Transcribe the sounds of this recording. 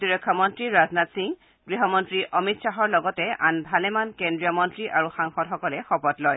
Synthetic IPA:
tiɹɔkʰːɔmɔntɹiɹaznatsiŋ | ɡɹiɦɔmɔntɹiʔʔɔmitsaɦɔɹlɔɡɔtɛanbʱalɛmankendɹijɔmɔntɹiʔaɹuxaŋxɔtxɔkɔlɛxɔpɔtlɔj

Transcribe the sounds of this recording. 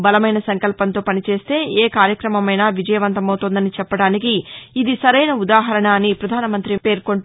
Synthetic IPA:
bɐlɐmɐjnɐsɐŋkɐlpɐnt̪o̞ːpɐnit͡ʃe̞ːst̪e̞ːʔeːkaːɾjɐkɾɐmɐmɐjnaːʋid͡ʒɐjɐʋɐnt̪ɐmɐwt̪oːnd̪ɐnit͡ʃɛpːɐɽaːnikiːd̪isɐɾɐjnɐud̪aːɦɐɾɐɳaːnːipɾɐd̪ʱaːnɐmɐnt̪ɾipe̞ːɾko̞ɳ

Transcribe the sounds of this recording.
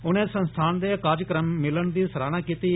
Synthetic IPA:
ʊnẽːsənst̪ʰaːnd̪eːkaːd͡ʒəkɾəmːɪləɳd̪iːsəɾaːnaːkiːt̪iː

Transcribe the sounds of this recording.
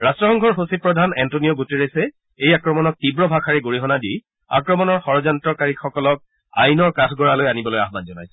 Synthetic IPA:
ɹastɹɔxɔŋkʰɔɹɦosipɹɔdʱanɛntonijɔɡuteɹesɛ | ejakɹɔmɔnɔk̚tibɹɔbʱakʰaɹɛɡoɹiɦɔnadi | a̰kɹɔmɔnɔɹxɔɹɔzantɹɔkaɹixɔkɔlɔk̚ | a̰jnɔɹkatʰɡɔɹalojanibɔloja̰ɦbanzɔnajsɛ̥

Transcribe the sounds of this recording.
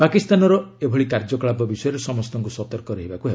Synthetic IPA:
pakist̪anɔɾɔebʱɔɭikaɾd͡ʒɔkɭabɔbisɔjɔɾesɔmɔst̪ɔŋkusɔt̪ɔɾkɔɾeɦibakuɦe

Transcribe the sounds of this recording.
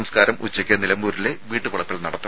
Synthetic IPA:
mskaːɾɐmʔut͡ɕːɐkʲːɐnilɐmbuːɾile̞ʋiːʈːɨpoɭɐpːiɭnɐɽɐt̪ːɐ

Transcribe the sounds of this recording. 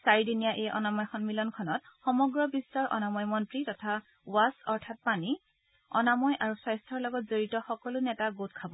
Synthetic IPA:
saɹidinijaʔejʔɔnamɔjxɔnmilɔnkʰɔnɔtxɔmɔɡɹɔbistɔɹʔɔ̰namɔjmɔntɹitɔtʰa | wasɔɹtʰat̚pani | ɔ̰namɔjʔaɹusajstʰɔɹlɔɡɔtzoɹitɔxɔkɔlʊnɛtaɡot̚kʰabɔ

